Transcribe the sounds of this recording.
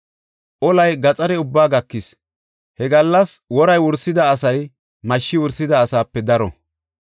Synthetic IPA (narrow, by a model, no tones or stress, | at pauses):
ʔɔlɐjɡɐt͡sʼɐɾɛʊbːaːɡɐkːɪs | hɛɡɐlːɐswɔɾɐjwʊɾsɪd̪ɐːsɐj | mɐʃːɪwʊɾsɪd̪ɐːsaːpːɛd̪ɐɾɔ̰